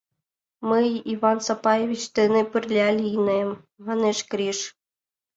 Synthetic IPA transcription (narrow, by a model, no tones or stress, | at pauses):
mɨjivɑnsɑpɑjevʲit͡ɕt̪enĕpɘrlʲɑlʲinem | mɑneʃkɾʲiʃ